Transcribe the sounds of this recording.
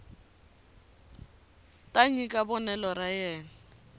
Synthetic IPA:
tʼaɲikʼabɔnɛlɔrajɛːna

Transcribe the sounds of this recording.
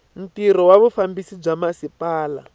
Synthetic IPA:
n̩tiɾɔwaβufambisib͡ʐamasipaːla̰

